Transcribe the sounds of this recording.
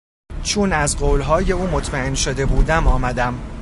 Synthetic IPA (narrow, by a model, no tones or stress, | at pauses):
t͡ʃʰunæzɢoːlɦɒːje̞uːmot̪ʰmæe̞nʃod̪e̞buːd̪æmɒːmæd̪æm